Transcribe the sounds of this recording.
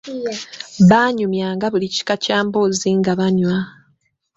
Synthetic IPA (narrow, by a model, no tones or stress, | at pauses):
βaːɲumjaːŋɡaβulici̥kacaːmboziŋɡaβaɲwa